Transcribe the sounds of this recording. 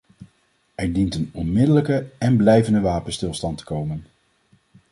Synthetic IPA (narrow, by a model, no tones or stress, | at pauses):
ɛɹdintənɔnmɪdələkəɛnblɛjvəndəʋaːpənstɪlˠstɑntə̥kowmən